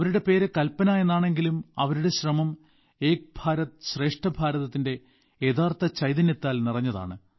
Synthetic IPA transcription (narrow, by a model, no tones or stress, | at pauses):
ɐʋɐɾuɽe̞pe̞ːɾekɐlpɐnaːjenːaːɳe̞ŋɡilumɐʋɐɾuɽeɕrɐmɐm | eːk̚bʱaːɾɐt̪ɨɕre̞ːʂʈɐbʱaːɾɐðɐt̪ːinde̞ | et̪ʰaːrt̪ɐt͡ɕɐjðine̞t̪ːaːlnirɐɲːɐða̰ːɳɨ